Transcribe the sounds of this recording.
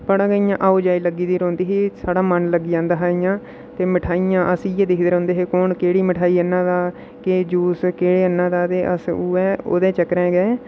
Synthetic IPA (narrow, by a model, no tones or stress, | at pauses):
pəɽãːɡəːiːãːʔaːoːd͡ʒaːiːləɡiːd̪iːɾõːnd̪iːɦeːsaːɽaːmənləɡːiːd͡ʒãːnd̪aːɦaːiːjãː | t̪eːmɪʈʰaːijãːʔəsiɛːd̪ɪkʰd̪əɾõːnd̪eːɦeːkoːɳkeːɽiːmɪʈʰaːiːənːãːd̪aː | ked͡ʒuːskeːɽeːənːãːd̪aːt̪eːʔə̰suːɛːo̰ːd̪ẽːt͡ʃəkɾɛ̃ːɡɛː